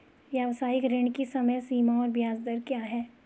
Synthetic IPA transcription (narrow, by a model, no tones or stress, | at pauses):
ʋjaʋsaːɪkɾɪ̃ɳkisɐməjsiːmaɔːɾbjaːzd̪əɾkjaːɦɛː